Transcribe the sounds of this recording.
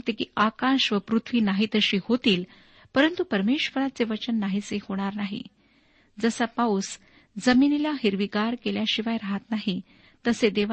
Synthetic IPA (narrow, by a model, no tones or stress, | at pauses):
t̪ekḭakaɕʋəpɾut̪ʰʋiːnaɦiːt̪əɕiːhot̪iːl | pəɾənt̪upəɾmeɕʋəɾat͡seʋət͡ɕənːaɦit͡sehoɽ̃aɾnaɦḭ | d͡zəsapaus | d͡zəminilaɦiɾʋiɡaɾkeljaɕiʋajɾaɦat̪naɦi | t̪əsed̪eʋ